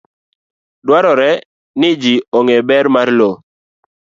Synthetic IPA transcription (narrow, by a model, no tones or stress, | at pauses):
dwaɾɔɾɛ | nɪd͡ʒiɔŋɛbɛɾmaɾlo